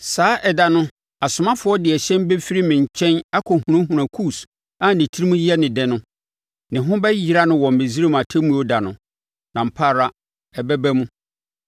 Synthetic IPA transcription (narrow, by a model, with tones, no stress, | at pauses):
saː˨˦ʔɛ˨da˨nʊ̃˦ | a˨sʊ˨mã˦fʊ˨˦ɔ˦dɪ˨ɛ˨ɕɛ̃˦m˦be˦fi˦ɾi˦mɪ̃˨ɲ˨t͡ɕʰɛ̃˦na˦kʰɔ˨hũ˨ɾã˦hũ˨ɾã˨kʰuː˦˨s | a˦nɪ̃˨tʰi˦ɾi˦mũ˦ji˦ɛ˦nɪ̃˨dɛ˨nʊ̃˦ | nɪ̃˨ɦʊ̃˦bɛ˦ji˨ɾa˦nʊ̃˦wɔ̃˨m̩˨bẽ˨zi˦ɾe˦m˨a˨tʰɛ˦mũ˦o˦da˨nʊ̃˨ | nã˨m̩˨pʰaː˦˨ɾa˦ | ɛ˨bɛ˦bæ˦mũ˦